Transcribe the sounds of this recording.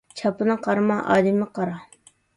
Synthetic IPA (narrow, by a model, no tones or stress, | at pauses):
t͡ʃʰɑpɨnɨqʰɑɾmɑʔɑ̰ːd̪ɪmɪqɑɾɑ